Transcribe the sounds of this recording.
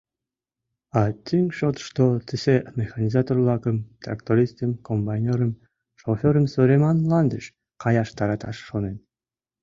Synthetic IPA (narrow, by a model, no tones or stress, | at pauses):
ɑt̪ʲʰiŋʃot̪ʃt̪ot̪ɨsemʲexɑnʲizat̪orlˠɑkəmt̪ra̰kt̪oɾʲist̪əmkombanʲeɾəm | ʃofʲøɾəmsoɾʲemɑnlˠɑnd̪əʃ | qɑjɑʃt̪ɑɾɑt̪ɑ̰ʃːonen